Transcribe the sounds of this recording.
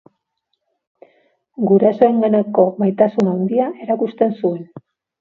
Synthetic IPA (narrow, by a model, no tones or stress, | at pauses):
ɡuɾaso̞eŋɡenoko̞majt̪asunawnd̪iaʔe̞ɾakust̪e̞nsue̞n